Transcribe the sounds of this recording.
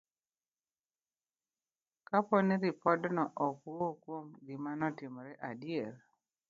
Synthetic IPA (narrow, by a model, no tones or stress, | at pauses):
kapɔniɾipɔdnɔʔɔkuokwomɡɪmanɔtɪmɾɛʔadjeɾ